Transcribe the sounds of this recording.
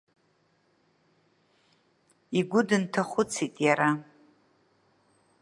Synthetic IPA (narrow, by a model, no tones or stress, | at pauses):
iɡʷʊdɨntʰaχʷʊt͡sʰitʼjaɾa